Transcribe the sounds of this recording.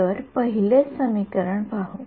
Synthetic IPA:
əɾpəɦilesəmikəɾəɳpaɦo

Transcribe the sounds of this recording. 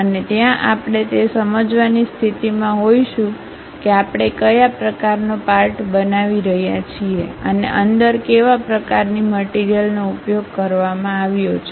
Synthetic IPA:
ənet̪jãʔapɳ̃et̪esəməd͡ʒʋanist̪ʰit̪imãɦojʃũ | keapɽ̃ekəjapɾəkaɾnopaɾʈbənaʋiɾəɦjat͡ʃʰieə̰nḛʔənd̪əɾkeʋapɾəkaɾniməʈiɾijəlnoupjoɡ̚kəɾʋamãaʋjot͡ʃʰe

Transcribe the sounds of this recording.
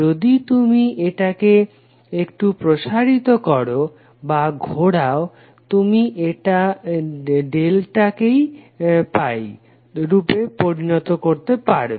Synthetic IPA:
od̪it̪umiʔeʈake | ekʈupɾoʃaɾit̪okɔɾo | baɡʱoɽao | t̪umiʔeʈa | ɖelʈakej | paj | ɾupepoɾinɔt̪okoɾt̪epaɾ

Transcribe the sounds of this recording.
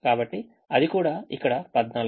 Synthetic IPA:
kaːbɐʈːi | ɐd̪ikuːɽaːikːɐɽɐpɐd̪naːl

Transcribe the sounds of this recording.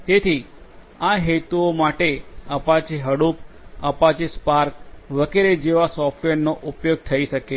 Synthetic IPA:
t̪et̪ʰi | aɦet̪uomaʈeəpat͡ʃeɦəɽupə̰pãt͡ʃespaɾkʋəɡeɾed͡ʒeʋasɔfʰʈʋeɾnoʔupjoɡ̚t̪ʰəiʃəke

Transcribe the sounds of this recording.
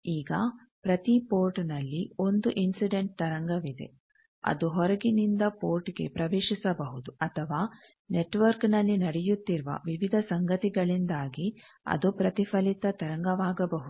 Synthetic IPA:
iːɡɐ | pɾɐt̪ipoːɾʈnɐlːio̞nd̪uʔinsiɖeɳʈ̚t̪ɐɾɐŋɡɐʋid̪e̞̰ | ɐ̰d̪uɦɔɾɐɡinind̪ɐpoːɾʈɡe̞̰pɾɐʋeːʃisɐbɐɦud̪uɐt̪ʰɐʋaː | neʈʋɐɾknɐlːinɐɽɛjut̪ːiɾuʋɐ̰ʋiʋid̪ʱɐsɐŋɡɐt̪iɡɐɭind̪aːɡiɐ̰d̪upɾɐt̪ifʰɐlit̪ɐt̪ɐɾɐŋɡɐʋaːɡɐbɐɦud̪u

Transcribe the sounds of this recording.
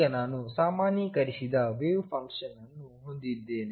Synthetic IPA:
ɐnaːnusaːmaːnjikɐɾisid̪ɐʋeːjupʰɐŋkʂɐnɐnːuɦond̪id̪ːeːni

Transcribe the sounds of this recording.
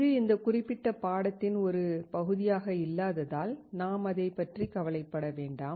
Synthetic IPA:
ðɯɪnd̪ɐkʊrɪpːɪʈːɐpaːɽɐt̪ːɪnɔɾɯpɐɣɯðɪjaːɣɐɪlːaːðɐðaːlnaːmɐðɐɪpːɐʈrikɐʋɐlɐɪpːɐɽɐʋeːɳɖaːm

